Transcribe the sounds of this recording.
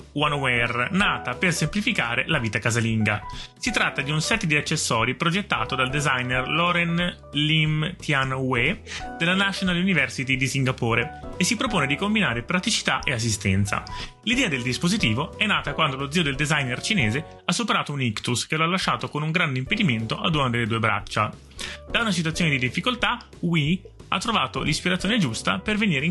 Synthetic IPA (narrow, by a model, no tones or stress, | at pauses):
wanwɛrnaːt̪apersemplifikaːɾelaviːt̪akazaliŋɡa̰sit̪ɾat̪ːad̪iunsɛt̪ːd̪iat͡ʃːesːɔːɾipɾod͡ʒet̪ːa̰ːt̪od̪ald̪ezajnerlɔɾen | limt̪ʰjanwed̪̥elanaʃonalunivɛrsit̪id̪isiŋɡapoːɾeesːipɾopoːned̪ikombinaːɾepɾat̪it͡ʃi̥t̪aʔeas̬ːist̪ɛ̰nt̪sa̰ | lid̪ɛːad̪eld̪ispozit̪iːvoɛnːaːt̪akwand̪olod̪ziod̪eld̪ezajnert͡ʃineːze | asːupeɾaːt̪ounikt̪uskeloalːaʃːaːt̪okonuŋɡɾand̪eimped̪iment̪oʔad̪unad̪eled̪uːebɾa̰t͡ʃːa | d̪aunat͡ʃit̪wat̪ːjoːned̪id̪ifːikolt̪a | wi | at̪ːɾovaːt̪olispiɾat̪sjoːned͡ʒust̪a̰perveniːɾe